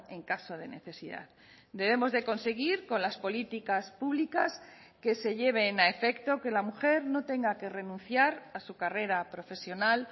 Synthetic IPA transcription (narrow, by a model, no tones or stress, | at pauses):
e̞ŋkaso̞ðe̞ne̞̰θe̞siða̰ð | d̪e̞β̞emo̞zðe̞ko̞nse̞ɣ̞iɾko̞nlaspo̞lit̪ikaspuβlikas | ke̞se̞ʎe̞β̞e̞nae̞fe̞kt̪o̞ke̞lamuxe̞ɾno̞t̪e̞ŋɡake̞re̞nũnθjaɾasukare̞ɾapɾo̞fe̞sjo̞nal